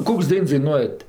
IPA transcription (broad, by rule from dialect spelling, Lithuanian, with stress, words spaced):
ˈkoːks ˈdɐɪns dɐɪˈnuɔjɛt